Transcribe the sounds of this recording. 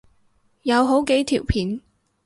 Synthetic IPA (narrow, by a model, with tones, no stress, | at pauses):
jɐ˨˧wɦo˨˥wke˨˥jt̪ʰiː˨˩wpʰiː˨˥n